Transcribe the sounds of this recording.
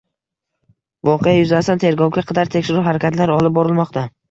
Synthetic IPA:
vɒqʰejajʊzast̪ant̪ʰe̞ɾɡɒwɡʲaqʰɑd̪aɾt̪ʰekʲʃɪɾʊɦaɾakʲat̪laɾɒlɪp̚bɒɾɪlmɒqt̪ʰa

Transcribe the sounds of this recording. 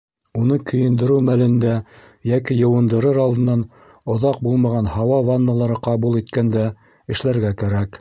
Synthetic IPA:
unɤkɵ̆jɘ̆nd̪ɘ̆ɾɘwmælɘ̆nd̪æ | jækijɤ̆wɤ̆nd̪ɤ̆ɾɤɾɑlˠd̪ɤ̆nːɑn | ŏðɑq̚bulˠmɑʁɑnhɑwɑvanːalˠɑɾɤqɑβulˠit̪kænd̪æ | ɘ̆ʃlæɾɡækæɾæk

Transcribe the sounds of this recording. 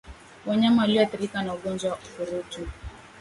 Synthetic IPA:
waɲamawaliɔaθiɾikanauɠɔnd͡ʒwawaufuɾutu

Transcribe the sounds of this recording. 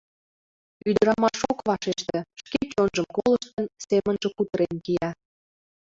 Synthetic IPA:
yd̪əɾɑmɑʃokβɑʃeʃt̪ĕʃket͡ɕonʒəmkoləʃt̪ənsemənʒə̆kut̪əɾenkijɑ

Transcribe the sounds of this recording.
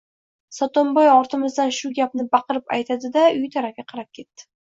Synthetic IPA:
sɒt̪ombojɒɾt̪ʰɪmɪzd̪anʃʊɡʲap̚nɪbɑqɨɾɪpa̰jt̪ʰad̪ɪd̪aʊjt̪ʰaɾaɡʲaqʰɑɾap̚kʲʰe̞t̪ːɪ̥

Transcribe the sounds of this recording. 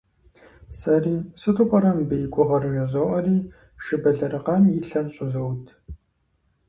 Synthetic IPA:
sɐriːsɨtʰʊpʼɐɾɐmbɨjkʷʼʊʁɐrɨjɐzɐʔɐriː | ʃɨbɐɮɐrɨqɐmjɪɬɐmɕʼʊzɐwtʰ

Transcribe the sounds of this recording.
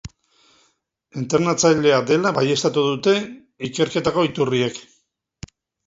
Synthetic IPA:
ent̪eɾnat͡saʎe̞ad̪e̞laβaje̞st̪at̪uðut̪e̞ | ike̞ɾke̞t̪ako̞it̪urie̞k

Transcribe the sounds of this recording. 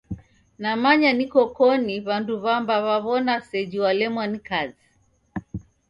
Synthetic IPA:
namaɲanikɔkɔniβanduβambaβaβɔnasɛʄiwalɛmwanikazi

